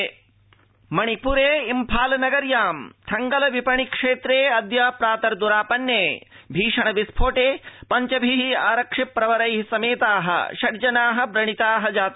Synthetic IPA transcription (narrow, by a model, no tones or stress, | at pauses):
mɐɳ̃ipuɾeːimpʰaːlɐnɐɡɐɾjaːmt̪ʰɐŋɡɐlɐʋipɐɳikʂeːt̪ɾeːɐd̪jɐpɾaːt̪ɐɾd̪uɾaːpɐnjeː | bʱiːʂɐɳɐʋispʰoːʈeːpɐɲt͡ʃɐbʱiɦia̰ːɾɐkʂipːɾɐʋɐɾɐjɦisɐmeːt̪aːɦɐ̰ʃɐɾd͡ʒɐnaːɦɐ̆bɾɐɳ̃it̪aːɦɐd͡ʒaːt̪